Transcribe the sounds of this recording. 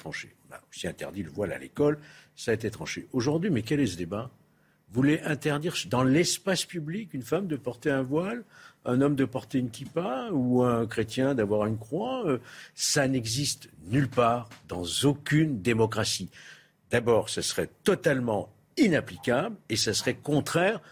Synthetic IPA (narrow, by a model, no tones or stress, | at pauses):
t̪χɑ̃ʃḛɔ̃na̰osiɛ̃t̪ɛ̰ʁd̪iləvwala̰lekɔlsaːet̪et̪χɑ̃ʃḛʔoʒuʁd̪ɥimɛkɛlɛsəd̪eba | vuleʔɛ̃t̪ɛʁd̪iʁd̪ɑ̃lɛspaspyblikynfamd̪əpɔʁt̪eɛ̃vwalɛ̃nɔmd̪əpɔʁt̪eynkʲipauɛ̃kχet̪jɛ̃d̪avwaʁynkχwaøsanɛɡzist̪nylpaːʁd̪ɑ̃zokʲynd̪emɔkχasi | d̪̥abɔːʁsasəʁɛt̪ɔt̪almɑ̃ | inaplikʲablesasəʁɛkɔ̃t̪χɛːʁ